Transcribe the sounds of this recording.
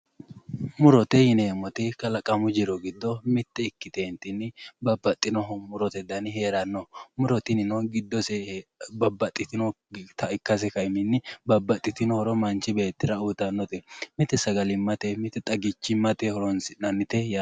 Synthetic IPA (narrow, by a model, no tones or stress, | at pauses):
mʊɾɔt̪ɛhɪnɛmɔt̪ɪkɐlɐkʼɐmʊd͡ʒɪɾɔɡɪd̪ːɔmɪt̪ːɛɪkːɪt̪eːnt̪ɪnːɪbɐbːɐt̪ʼːɪnɔɦɔmʊɾɔt̪ɛd̪ɐnɪheːɾɐnːɔmʊɾɔt̪ɪnɪnɔɡɪd̪ːɔsɛbɐbːɐt̪ʼːɪt̪ɪnɔ | t̪ʰɐɪkːɐs̬ɛkɐɪmɪnːɪbɐbːɐt̪ʼːɪt̪ɪnɔhɔɾɔmɐnt͡ʃɪbe̞ːt̪ːɪɾɐut̪ɐnːɔt̪ɛmɪt̪ːɛsɐɡɐlɪmːɐt̪ɛmɪt̪ɛt̪ʼɐɡɪt͡ʃːɪmɐt̪ɛhɔɾɔnsɪnɐnːɪt̪ɛj